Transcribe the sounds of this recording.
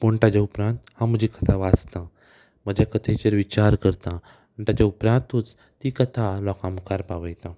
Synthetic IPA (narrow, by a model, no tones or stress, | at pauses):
poɳʈad͡ʑaupɾãnt̪hãm̤əd͡ʑikət̪ʰaʋad͡zt̪ã | məd͡ʑakət̪ʰet͡ɕeɾʋit͡ɕaɾkəɾt̪ã | əɳʈat͡ɕaupɾãnt̪ũt͡s | t̪ːikət̪ʰalɔkãməkaɾpaʋəjt̪ã